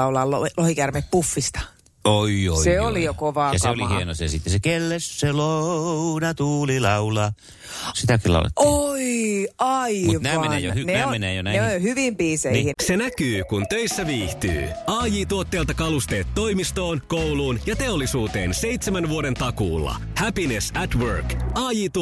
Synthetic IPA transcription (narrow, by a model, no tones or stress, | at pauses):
ɑulɑlolohikærmeppufːist̪ɑ̥ | oioiseolijokoʋɑːɑseolihieno̰sesit̪ːesekelːesːelounɑt̪uːlilɑulɑ | sit̪ækillɑ̰ṵlɑ̰t̪ːoiʔɑiunæmmenejohynnæːmenæjonæneojohyʋimpiːseihise̞nækyːkunt̪øjsːæʋiːht̪y̰ːɑːjiːt̪uot̪ːeːlt̪ɑkɑlust̪e̞ːt̪ːo̞jmist̪o̞ːnko̞wluːnjɑt̪e̞o̞lːisuːt̪e̞̰ːnse̞jt̪semænʋuoɾe̞nt̪ɑkṵːlːɑ̰ | hæpinesæt̪wørkɑːjiːt̪u